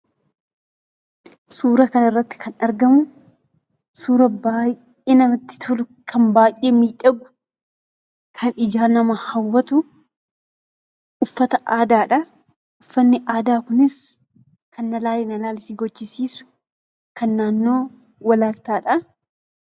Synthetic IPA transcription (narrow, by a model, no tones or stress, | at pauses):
suːɾɐkɐnɐrːɐt̪ːɪ̥kʰɐnɐɾɡɐmʊ | suːɾɐbaːj | eːnɐmɐt̪ːɪ̥t̪ʰʊlʊkʰɐmbaːjʔeːmiːᶑɐɡʊ̥ | kʰɐnɪd͡ʒaːnɐmɐhɐwːɐt̪ʊ | ʊfːɐt̪ɐʔaːd̪aːᶑɐ | ʔʊfːɐnːɪʔaːd̪aːkʊnɪs | kʰɐnːɐlaːlenɐlaːlɪsɪɡɔt͡ʃːɪsiːsʊ̥ | kɐnːaːnːo̞ː | wɐlaːkt̪aːᶑɐ